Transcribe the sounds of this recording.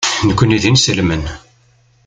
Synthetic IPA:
nəkʷːəniðinsəlmən

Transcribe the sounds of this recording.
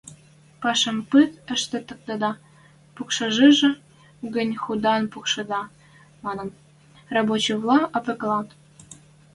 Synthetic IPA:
pɑʃə̆mpɨt̪ə̆ʃt̪ĕt̪ə̆k̚t̪ɤd̪ɑ | pukʃɑʒeʒĕ | ɡənʲxud̪ɑnpukʃɤ̆d̪ɑ | mɑnə̆n | rɑbot͡ɕĭvlˠɑʔɑpɘ̆klɑt̪

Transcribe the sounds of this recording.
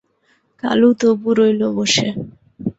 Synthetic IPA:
ka̰lut̪obuɾojloboʃe

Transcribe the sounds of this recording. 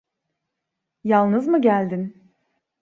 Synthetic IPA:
jalˠnɯzmɯɟælʲd̪in

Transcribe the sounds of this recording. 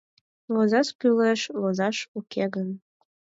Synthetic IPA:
βozɑʃkyleʃβozɑʃukʰeɣən

